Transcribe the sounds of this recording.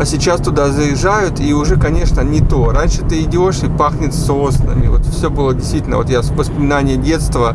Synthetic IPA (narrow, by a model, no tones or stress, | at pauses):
ɐsʲɪt͡ɕast̪ʊd̪azəjɪʐajʊt̪iʊʐɛkɐnʲe̞ʂnənʲɪt̪o̞ɾanʲʂɨt̪ɨɪdʲɪo̞ʂɪpaxnʲɪt̪sosnə̰mʲɪ̰vot̪fsʲɵbɨlˠədʲɪst̪vʲitʲlʲnə̰o̞t̪javəspəmʲɪnanʲɪjədʲe̞t̪st̪və